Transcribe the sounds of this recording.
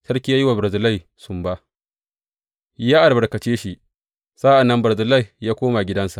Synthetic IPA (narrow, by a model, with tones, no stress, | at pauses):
sɐ˦rkʲi˦jaː˦jɪ˦wa˨bɾɐ˨zɪ˨la˦˨j | sʊ˨mba˦ʔ | jaː˦ʔa˨ɽbɐ˨ɽkɐ˨t͡ʃeː˦ʃi˦ʔ | saː˦ʔa˨nːɐ˦mbɐ˨zɪ˨la˦jjaː˦kʷoː˦ma˨ɡʲɪ˦dɐ˦nsa˨ʔ